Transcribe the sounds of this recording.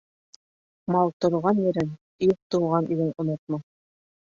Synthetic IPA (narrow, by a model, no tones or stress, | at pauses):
mɑlˠt̪ŏɾʁɑnjɘ̆ɾɘn | juq̚t̪ŭwʁɑnʔilɘnŏnot̪̚mɑ